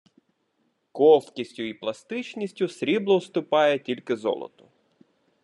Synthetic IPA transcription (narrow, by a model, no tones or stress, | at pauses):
kɔwkʲisʲtʲʊiplˠɐst̪ɪt͡ʃnʲisʲtʲʊsɾʲiblˠɔwst̪ʊpɑjɛtʲilʲkɪzɔ̰lˠɔ̰t̪ɔ